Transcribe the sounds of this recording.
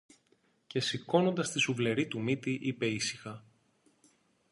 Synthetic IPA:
ce̞siko̞no̞nd̪ɐst̪isuvle̞ɾit̪umit̪iʔipe̞isi̥xɐ

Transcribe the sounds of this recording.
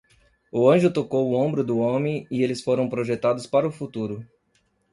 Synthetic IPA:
ʊɐ̃ʒʊt̪okowʊõbɾʊd̪ʊõmẽj̃ɪelɪsfoɾɐ̃w̃pɾoʒet̪ad̪ʊspaɾɐʊfut̪uɾʊ

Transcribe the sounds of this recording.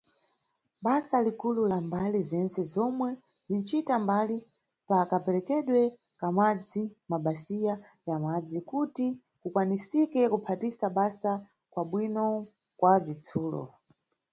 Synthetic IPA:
ɓasalikululambalizɛnt͡sɛzɔmwɛ | zint͡ʃitambali | pakapɛlɛkɛɗwɛ | kamad͡zimaɓasija | jamad͡zikuti | kukwanisikɛkupʰatisaɓasa | kwaɓwinɔ | kwavit͡sʰuːlɔ̰

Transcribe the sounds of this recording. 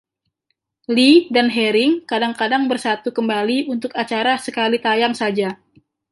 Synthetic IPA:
lidanɦɛɾɪŋkadaŋkadaŋbərsat̪ukəmbaliunt̪ʊkat͡ʃaɾasəkalit̪ajaŋsad͡ʒa

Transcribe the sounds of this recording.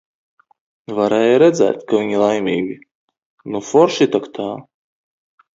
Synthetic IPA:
vaɾɛːjaɾɛd̪zɛ̰ːt̪kavʲiɲilˠajmʲiːɡʲi | nufɔɾʃit̪akt̪ʰaː

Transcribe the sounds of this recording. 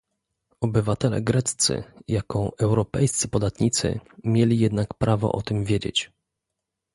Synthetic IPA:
ɔbɘvat̪ɛlɛ̰ɡɾɛt̪t̪sɘ̰jakɔʔɛwɾɔpɛjst̪sɘpɔd̪at̪ɲit̪sɘ̰mʲjelʲijɛd̪nakpɾʔavɔ̰ʔɔt̪ɘmvʲjed͡ʑḛt͡ɕ

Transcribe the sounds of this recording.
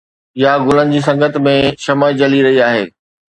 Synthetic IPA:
jaɡʊlənɪ̆d͡ʑiːs̬ɐ̃ŋɡət̪mẽʃɐmaːid͡ʑɐliɾɐɦiaːɦeː

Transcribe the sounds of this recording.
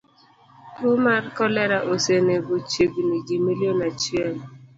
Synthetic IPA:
tomarkɔlɛɾaʔosenebot͡ʃeɡniɡimiljonat͡ʃiɛl

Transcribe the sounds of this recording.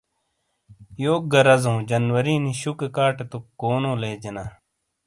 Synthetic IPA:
joːɡɐɾɐzõːd͡ʑɐnwɐɾiːniɕukekaːʈet̪ukoːnõːleːd͡ʑenaː

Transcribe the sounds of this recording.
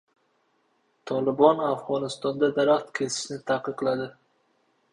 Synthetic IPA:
t̪ʰɒlˠɪbɒnafʁɒnɪst̪ɒnd̪ad̪aɾaχt̪kʲʰe̞sɪ̥ʃnɪt̪ʰaqːɨqlad̪ɪ

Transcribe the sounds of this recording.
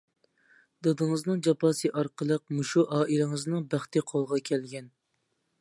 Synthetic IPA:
d̪ɑd̪ɨŋəznɨŋd͡ʒɑpʰɑːsɨʔɑɾqʰəlˠəq̚muʃuʔɑːʔilɪŋɨznɨŋbæχt̪ɪqʰolˠʁɑkʲʰɛlɡʲɛn

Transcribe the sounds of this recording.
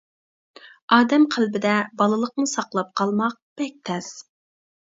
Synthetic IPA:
ɑːd̪ɛmqʰælbɪd̪ɛbɑlˠɨlˠəqmɨsɑqlˠɑp̚qʰɑlˠmɑq̚b̥ɛk̚ʲt̪ʰɛz̥

